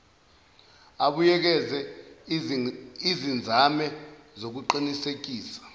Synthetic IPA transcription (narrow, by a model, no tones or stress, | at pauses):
aɓujɛk̬ɛzɛ | izind͡zʱamɛzok̬uǃinisek̬iːsḁ